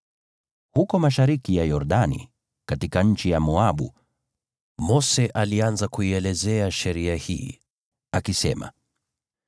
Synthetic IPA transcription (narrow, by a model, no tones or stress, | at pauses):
hukɔmaʃaɾikijajɔɾɗanḭ | katikaɲ̩t͡ʃijamɔaɓṵ | mɔsɛʔalianzakuiɛlɛzɛaʃɛɾiahḭː | akisɛ̰ma̰